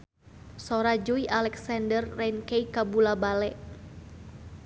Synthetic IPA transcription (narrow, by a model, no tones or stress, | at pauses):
sɔɾad͡ʒuiʔalɛksandərːɛnkeikabulabalɛʔ